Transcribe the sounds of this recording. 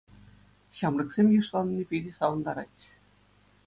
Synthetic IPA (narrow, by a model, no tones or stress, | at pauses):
ɕɑmɾɤ̆ksemʲjɯʂlˠɑnnʲipʲed̪ʲisɑwɤnd̪ɑɾɑ̰t̪ʲ